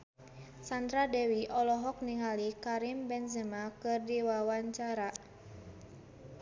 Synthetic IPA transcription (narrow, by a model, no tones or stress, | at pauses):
sant̪ɾadɛwiʔɔlɔɦɔk̚niŋalikaɾimbɛnzəmakɨrdiwawaɲt͡ʃaɾa